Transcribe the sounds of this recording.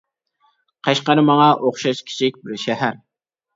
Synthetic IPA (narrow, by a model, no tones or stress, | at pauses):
qʰɑʃqɑɾɨmɑŋɑʔoχʃɑʃkʲʰi̥t͡ʃʰik̚ʲbɪɾʃɛɦæɾ